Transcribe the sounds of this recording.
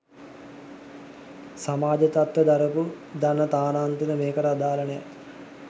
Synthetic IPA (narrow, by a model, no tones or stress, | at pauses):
samaːd͡ʒət̪at̪ʋəd̪aɾəpu | d̪anət̪aːnaːnt̪inəmeːkəɾəad̪aːlənəja̰